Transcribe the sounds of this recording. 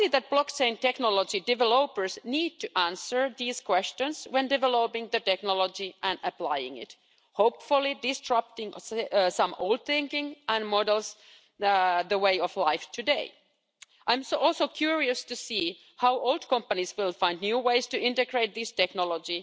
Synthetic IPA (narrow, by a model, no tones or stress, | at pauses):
iðæt̪̚b̥lɔkt͡ʃẽɪ̃ntɛknɔlɔd͡ʒidɪvɛloʊpə˞sniːd̚tɨʔæ̃nsə˞ðiːskwɛst͡ʃə̃nswɛ̃ndɨvɛloʊpɪ̃ŋðətɛknɔlɔd͡ʒiʔæ̃nəplaɪɪ̰̃ŋɪ̰t | hoʊpfulˠidɪstʰɹ̥ʌp̚tɪ̃ŋsʌ̃mo̰ʊlˠd̪̚θɪ̃ŋkɪ̃ŋæ̃nmɔdəlˠs | ðəweɪɔflaɪftʰɨdeɪ | ʔãɪ̃msɔlˠsoʊkʰjuɹiɨstɨsiː | haʊʔoʊlˠd̥kʰʌ̃mpəniswɪlˠfãɪ̃nd̚njuːweɪstɨʔɪ̃ntɨɡɹeɪt̪̚ðistɛknɔlɔd͡ʒi